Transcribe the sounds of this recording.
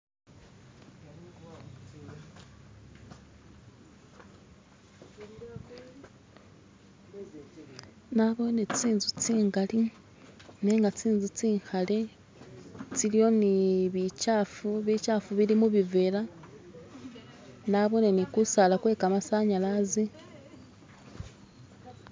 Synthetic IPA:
naβo̞net͡siːnzut͡siːŋɡali | neːŋɡat͡siːnzut͡siːŋxale̞ | t͡silio̞niβicafuβicafuβiɾimuβivela | naβo̞ne̞nikusalakwe̞ːkamasaɲalazi

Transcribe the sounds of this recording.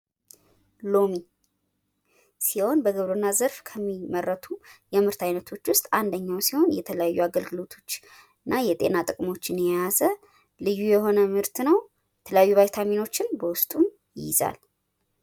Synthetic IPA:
lo̞mi | siho̞nbəɡəβɾonːazəɾfkʰəmːimərːət̪ʰujɛmɨɾt̪ʰajnət̪ʰo̞t͡ʃːwʊst̪ʼand̪əɲːawsiho̞njɛt̪ʰələjajːuaɡəlɡɨlo̞t̪ʰo̞t͡ʃː | ɨnːajɛt̪ʼe̞̰nat̪ʼɨkʼmo̞t͡ʃːɪnjɛjazə | lɨjːujɛho̞nəmɨɾt̪ʰnəw | jɛt̪ʰələjajːuβajt̪ʰamino̞t͡ʃːɪnbəwʊst̪ʼum | jɪ̰za̰l

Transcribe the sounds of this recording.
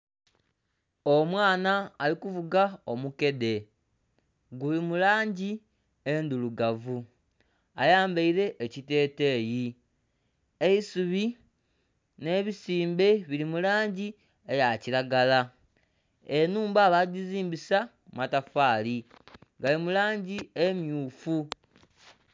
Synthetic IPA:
o̞mwaːnaːlikuvuɡaomuke̞de̞ | ɡulimulaːɲɟi | end̪uluɡavu | ajaːmbeiɾe̞ʔːcite̞ːte̞ːji | eisuβi | ne̞βisiːmbe̞βilimulaːɲɟi | ejaciɾaɡala | enuːmbaːβaɟiziːmbisa | matafaːli | ɡalimulaːɲɟiemjuːfu

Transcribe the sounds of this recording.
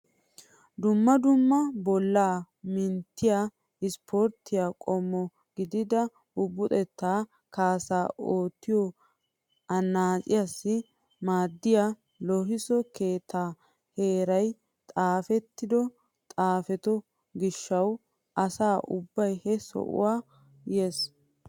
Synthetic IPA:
d̪ʊmːɐd̪ʊmːɐbɔlːaː | mɪnt̪ːɪja | ɪspʰɔɾt̪ːɪjakʼɔmːɔ | ɡɪd̪ɪd̪ɐ | ʊbːʊt̪ʼɛt̪ːaː | kaːsaːʔoːt̪ːɪjɔ | ɐnːaːkʼɪjasːɪ | maːd̪ːɪja | lɔɦɪsɔke̞ːt̪ːaː | he̞ːɾɐj | t̪ʼaːfɛt̪ːɪd̪ɔ | t̪ʼaːfɛt̪ɔ | ɡɪʃːɐw | ʔɐsaːʔʊ̰bːɐjhɛsɔ̰ʔʊ̰waː | jeːs

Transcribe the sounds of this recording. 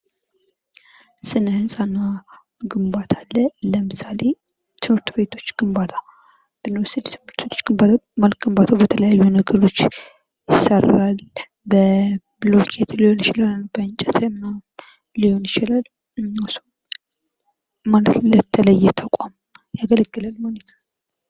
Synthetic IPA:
sɨnəhɨnsʼanːaɡɨmbat̪ʰalːələmɨsale̞t̪ʰɨmhɨɾt̪be̞t̪ʰo̞t͡ʃːɡ̥ɨmbat̪ʰabɨnːəsɨd̪t̪ʰɨmɨɾt̪bet̪ʰot͡ʃːɡɨmbat̪amalkɡɨmbat̪ʰobət̪ʰələjajːunəɡəɾo̞t͡ʃː | jɪsəralbəblokʰet̪ʰlɨho̞njɪt͡ʃɪlalnbəɨnt͡ʃʼɛt̪ʰmnaliho̞njɪt͡ʃɪlalɨɲːawsu | malət̪lət̪ʰːələjːɛt̪ʰəkʷʼamjaɡələɡːɨlalmomt̪a

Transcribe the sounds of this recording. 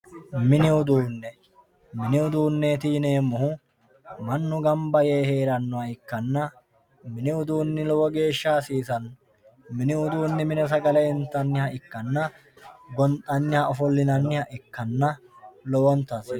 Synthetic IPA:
mɪnɪʊd̪uːnːɛ | mɪnɪʊd̪uːnːeːt̪iːneːmːʊhʊ | mɐnːʊɡɐmbɐjeːhe̞ːɾɐnːɔɐɪkːɐnːɐ | mɪnɪʊd̪uːnːɪlɔwɔɡe̞ːʃːaːsiːsɐn | mɪnɪʊd̪uːnːɪmɪnɛs̬ɐɡɐlɛɪnt̪ːɐnːɪhɐʔɪkːɐnːɐ | ɡɔnt̪ʼːɐnːɪhɐɔfɔlːɪnɐnːɪhɐʔɪkːɐnːɐlɔwɔnt̪ɐs

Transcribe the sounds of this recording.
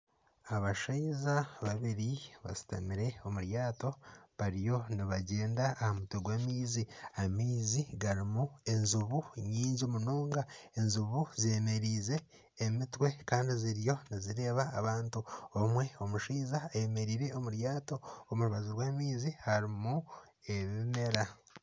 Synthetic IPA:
aβaʃaizaβaβiɾiβa̰si̥ta̰miɾe̞o̞muɾjaːto̞βaɾijo̞niβaɟe̞ːndaːhamutweɡwaːmiːziamiːziɡaɾimue̞nzuβuɲiːɲɟiomunoːŋɡae̞nzuβuziemeɾiːze̞ː | mitwe̞kaːndiziɾjo̞niziɾe̞ːβaːβaːntuomwe̞o̞muʃiːzaːje̞me̞ɾiːɾe̞omuɾjaːto̞omuɾuβazuɾwaːmiːzihaɾimu | e̞βime̞ɾa

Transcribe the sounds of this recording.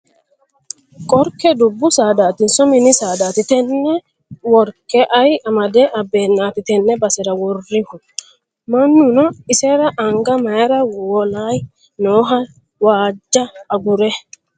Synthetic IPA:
kʼɔɾkɛd̪ʊbːʊsaːd̪aːt̪ɪnsɔmɪnɪsaːd̪aːt̪ɪt̪ɛnːɛ | wɔɾkːɛʔɐjɐmɐd̪ɛʔɐbːe̞ːnːaːt̪ɪt̪ɛnːɛbɐsɛɾɐwɔrːɪhʊ | mɐnːʊnɔɪsɛɾɐʔɐŋɡɐmɐjɐɾɐwɔlaːj | noːɦɐ | waːd͡ʒːɐːɡʊɾɛ

